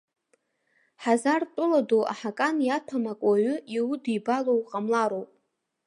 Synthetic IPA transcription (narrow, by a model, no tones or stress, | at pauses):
ħazartʼʊladoa̰ħakʼanjatʰamakʼaɥʏiwʊdijbalowqʼamlaɾowpʼ